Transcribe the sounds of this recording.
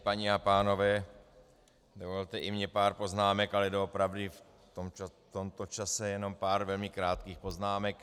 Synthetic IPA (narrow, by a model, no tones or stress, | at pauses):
paɲɪapaːno̞vɛː | dovolt̪ɛʔɪmɲɛpaːɾpo̞znaːmɛkalɛdoopɾavdɪf | t̪omt͡ʃat̪omt̪ot͡ʃasɛjɛno̞mpaːɾvɛlmɪkɾaːt̪kiːxpo̞znaːmɛk